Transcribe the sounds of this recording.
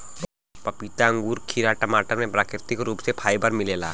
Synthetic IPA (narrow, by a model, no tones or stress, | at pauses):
pɐpit̪aə̃ŋɡuːɾkʰiːɾaʈɐmaːʈəɾmẽpɾaːkɾɪt̪ɪkɾuːpsepʰaːibəɾmɪleːla̰ː